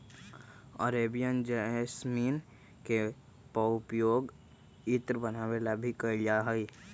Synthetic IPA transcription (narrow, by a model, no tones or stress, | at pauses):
ə̰ɾeːbijənd͡ʒɛsmiːn | ke | pəʊpjoːɡ | ɪt̪ɾbənaʋelabʱikəlaɦəi